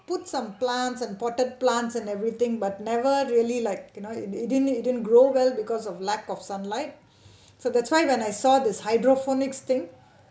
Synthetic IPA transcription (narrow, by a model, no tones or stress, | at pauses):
pʊʈsʌ̃mplæ̃nʈsɛ̃npɔʈəɖ̚plæ̃nʈsɛ̃nevɾit̪ʰɪ̃ŋbʌʈ̚nɛʋəɾɾiəlilaɪk̚junoːɪɪɖɪnɪɖɪdn̚ɡɾoːʋɛlbikɔzɔʋlækɔfsʌ̃nlaɪʈ̚ | soːd̪æʈswaɪʋɛ̃naɪsɔːd̪ɪshaɪɖɾofonɪkst̪ʰɪ̃ŋ